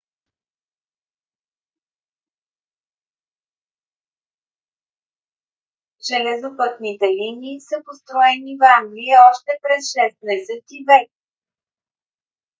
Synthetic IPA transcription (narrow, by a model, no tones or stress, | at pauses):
ʒ̥ɛlɛzopɤt̪nit̪ɛliniːsəpost̪ɾɔɛnivaŋɡliɛɔʃt̪ɛpɾɛsʃɛst̪mɛsɛt̪ivɛk̚